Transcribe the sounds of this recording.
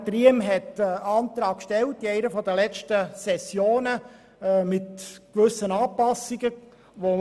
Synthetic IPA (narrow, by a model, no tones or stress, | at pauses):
t̪riəmɦɛtːɑːnt̪ɾɑːkkʃtɛltːiɛɪnəfɔd̪əlɛt͡ʃtəsɛsjoːnə | mɪtkʋʏsːənɑːpɑsːiɡ̥ə | ʋo